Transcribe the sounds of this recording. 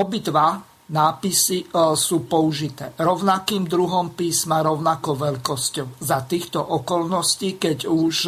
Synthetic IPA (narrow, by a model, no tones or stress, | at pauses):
ɔbid̪ʋa | naːpisisuːpɔuʒit̪ɛ̰ːɾɔʊnakiːmd̪ɾuɦɔmpiːsmaɾɔʊnakɔʋɛʎkɔscɔʊzat̪iːxt̪ɔʔɔkɔlnɔsciːkɛɟuʃ